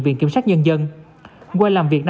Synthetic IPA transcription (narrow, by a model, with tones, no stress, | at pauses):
ŋvḭ˨˧˨ənki˧˦əmsaː˦˥k̚ɲə˧nzə˧n | kwaː˧jlaː˨˩mvi˨˩ək̚na˧